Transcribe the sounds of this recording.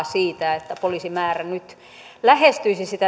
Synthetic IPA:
siːt̪æet̪ːæpolisimæːrænyt̪ | læhest̪yisisit̪æ

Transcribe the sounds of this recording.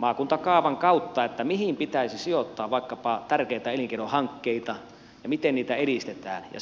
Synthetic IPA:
mɑːkunt̪ɑkɑːʋɑŋkɑut̪ːɑet̪ːæmihimpit̪æisisijot̪ːɑːʋʋɑˑikːɑpɑt̪ærkeit̪æeliŋkeɾohɑŋkːeit̪ɑ | jɑmit̪enniːt̪æelist̪et̪æ̰ːnjɑ̰

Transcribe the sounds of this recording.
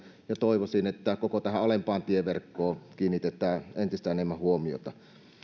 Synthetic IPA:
jɑt̪oˑiʋosinet̪ːækokot̪æhæʔolempɑːnt̪ieʋerkːoːkiːnːit̪et̪ˑæːent̪ist̪æenemːæhuomio̰t̪ɑ

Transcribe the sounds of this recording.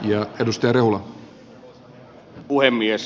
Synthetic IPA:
jɑedust̪ɑjɑɾeɦulɑ | uhemːies

